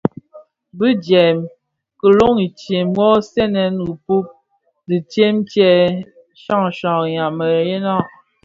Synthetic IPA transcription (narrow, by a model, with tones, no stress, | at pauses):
bi˦d͡ʒɛ˨m | kə˨lo˦ŋi˨t͡ʃje˨mwɔ˦sɛ˦nɛ˨n˨ɣu˨pu˦p̚ | di˨t͡ʃe˦mt͡ʃɛ˦ | ʃa˦˨ŋʃɔ̃˨ɣɲa˨mə˨ɾje˦nɔ˦˨ʔ